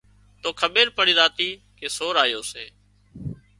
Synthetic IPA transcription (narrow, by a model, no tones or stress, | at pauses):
t̪oːkʰəɓeːɾpəɽiːzaːt̪iː | keːsoːɾaːjoːseː